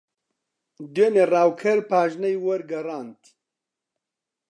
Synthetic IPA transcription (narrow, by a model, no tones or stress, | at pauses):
d̪eːneraːwkʰɐɾpʰaːʒnɐjwɐɾɡɐraːnt̪ʰ